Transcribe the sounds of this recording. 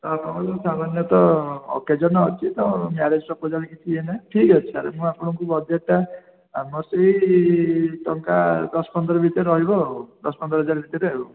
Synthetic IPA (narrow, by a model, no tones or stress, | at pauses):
t̪ɔapɔmɔɔsamanjɔt̪ɔ̰ːked͡ʒɔnɔːt͡ʃʰit̪ɔmaɾed͡ʒɔsɔpɔd͡ʒalikit̪ʰienaʈʰikɔt͡ʃʰiaɾḛmũapɔɽ̃ɔŋkubɔd͡ʒet̪a | amɔseɦi | t̪ɔŋkad̪ɔspɔnd̪ɾɔbit̪eɾɔɦibɔd̪ɔsɔ̥pɔnd̪ɾɔɦɔd͡ʒaɾbʱit̪iɾeɦeɔ